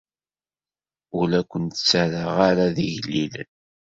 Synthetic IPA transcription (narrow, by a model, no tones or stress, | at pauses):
ʊlækʷənt̪ə̥t͡sːaɾəʁaɾaðiʝlːilə̰n